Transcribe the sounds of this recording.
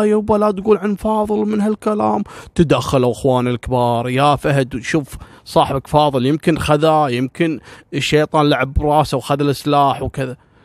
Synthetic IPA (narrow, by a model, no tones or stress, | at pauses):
jawbalaːd̪ɡuːlʕanfɑːðˤɨlmɪnhalkalaːmt̪ad̪axːalawʔɪxwɑːnɪlkbɑːɾˤjafahd̪wʃuːf | sˤɑːħbakfɑːðˤɨljɪmkɪnxaðajɪmkɪnʃːejt̪ˤɑːnlaʕɪbɾˤɑːsawxaðalʔɪslaːħwkɪða